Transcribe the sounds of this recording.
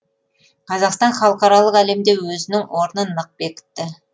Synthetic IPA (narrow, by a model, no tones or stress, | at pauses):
qʰɑzɑqst̪ɑnχɑlˠəqɑɾɑlˠəqæle̞md̪e̞wɵzɪnɪŋwo̞ɾnənəq̚be̞kʲɪ̥t̪ːɪ